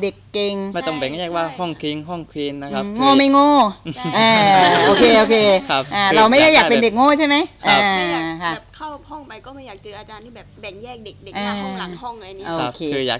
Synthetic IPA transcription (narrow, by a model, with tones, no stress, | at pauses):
de˨˩kːe˧ŋma˥˩t̪ɔ˥˩ŋbe˨˩ŋ˥˨jɛː˥˩k̚waː˥˩hɔ˥˩ŋkʰi˧ŋɦɔ˥˩ŋkʰiː˧nːa˦kʰa˦˧ŋoː˥˩ma˥˩jŋoː˥˩ʔaː˧ʔoː˧kʰeː˧ʔoː˧kʰeː˧a˦˧ʔaː˧ɾa˧wma˥˩jɾaː˥˩jaː˨˩pe˧nde˨˩k̚ŋoː˥˩˨t͡ɕʰa˥˩jma˦˥jkʔa˧˩˧kʰa˥˩˨p̚kʰa˥˩whɔ˥˩ŋpa˧jkɔː˥˩ma˥˩jaː˨˩t͡ɕɯ˧ʔaː˧t͡ɕaː˧nt̪ʰiː˥˩bɛː˨˩p̚bɛ˨˩˦ŋjɛː˥˩k̚de˨˩k̚de˨˩ʔaː˧˩a˨˦hɔ˥˩ŋla˧jni˦ʔo˧˩˧kʰeː˧ɯː˧ja̰ː˨˩k̚